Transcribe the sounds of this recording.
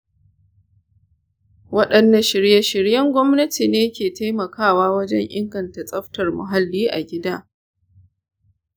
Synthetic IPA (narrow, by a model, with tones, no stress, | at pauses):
wɐ˦ɗɐ˨nːɐ˨ʃɪ˨ɽjɐ˦ʃɪ˨ɽjɐ˦ŋɡʷɔ˦mnɐ˦ti˨neː˦kʲeː˨ta˦jmɐ˨kʰaː˦waː˦wɐ˦d͡ʒɛ˦ŋʔɪ̰˦ŋɡɐ˨nta˨sʼɐ˦ɸtɐ˨rmʊ̰˨ɦa˦lːiː˦ʔa̰˨ɡʲɪ˦daː˦